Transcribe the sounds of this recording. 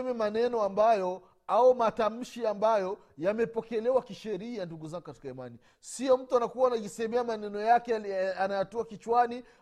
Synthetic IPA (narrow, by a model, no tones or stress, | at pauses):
mɛmanɛnɔambajɔ | aumatam̩ʃiambajɔ | jamɛpɔkɛlɛwakiʃɛɾianduɡuzaŋɡukati̥kaimani | siɔm̩tuanakuwanaʄisɛɛmɛamanɛnɔjakɛanajatɔakit͡ʃwani